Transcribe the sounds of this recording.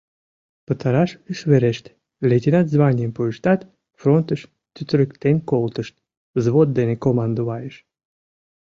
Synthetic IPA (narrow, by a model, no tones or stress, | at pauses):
pət̪ɑɾɑʃyʃβeɾeʃt̪ | lʲet̪ʲenɑt̪zβɑnʲijəmpuəʃt̪ɑt̪ | front̪əʃ | t̪yt̪ɾʲəkt̪enkolt̪əʃt̪̚ | zβot̪̚d̪enekomɑnd̪oβɑjəʃ